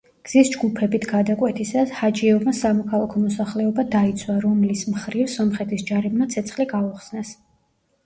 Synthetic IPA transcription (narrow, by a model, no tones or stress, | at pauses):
ɡ̥z̥isd͡ʒɡupʰɛbit̪ʰɡad̪akʼwɛt̪ʰisashad͡ʒiɛmasamɔkʰalˠakʰɔmɔsaχlɛɔbad̪ait̪sʰwaɾɔmlismχɾifsɔmχɛt̪ʰisd͡ʒaɾibnat̪sʰɛt̪sʰχliɡauχsnɛs